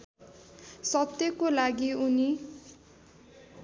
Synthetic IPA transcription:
sʌt̪jʌkolaɡiuni

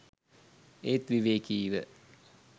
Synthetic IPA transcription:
eːt̪ʋiʋeːkiːʋə̰

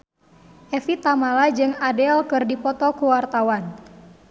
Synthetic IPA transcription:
ʔɛfit̪amalad͡ʒɨŋadɛlkɨrdipɔt̪ɔkuwart̪awan

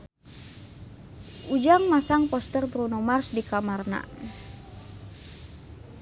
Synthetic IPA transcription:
ud͡ʒaŋmasaŋpɔst̪ərbɾunɔmarsdikamarna̰

